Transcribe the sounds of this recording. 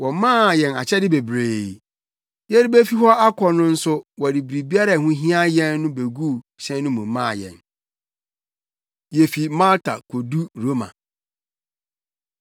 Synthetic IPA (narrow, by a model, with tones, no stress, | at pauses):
wɔ˨mãː˦˨jɛ̃˨na̰˨t͡ɕʰɛ˦dɪ˦be˨bɾeː˨ | jɛ˦ɾɪ˦be˦fi˦ɦɔ˦a˦kʰɔ˨nʊ̃˦n̩˦sʊ˦wɔ˨di˨bɾi˨bi˦a˦ɾa˨hũ˦ɦĩ˦a˦jɛ̃˦nːʊ̃˦be˨ɡu˦ | ɕɛ̃˦n˦nʊ̃˦mũ˨mːã̰ː˦˨jɛ̰̃˨n | jɛ˨fi˨mã˦ltʰa̰˨kʰo˨du˦ɾo˦mã̰˨